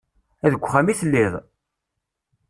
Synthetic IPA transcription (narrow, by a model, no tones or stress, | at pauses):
æðəɡʷːχæmiθəlːiðˤ